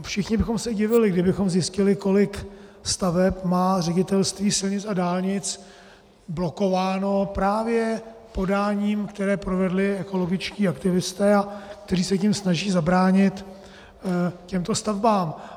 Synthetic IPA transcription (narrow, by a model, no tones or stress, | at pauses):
fʃɪxɲɪbɪxo̞msɛɟɪvɪlɪɡdɪbɪxo̞mzjɪscɪlɪko̞lɪkst̪avɛpmaːr̝ɛɟɪt̪ɛlst̪viːsɪlɲɪt͡sadaːlɲɪt͡s | blo̞ko̞vaːno̞pɾaːvjɛpo̞daːɲiːmkt̪ɛɾɛːpɾovɛdlɪɛko̞lo̞ɡɪt͡ʃciːakt̪ɪvɪst̪ɛːak̚t̪ɛɾiːsɛcɪmsnaʒiːzabɾaːɲɪt̪ | cɛmt̪o̞st̪avbaːm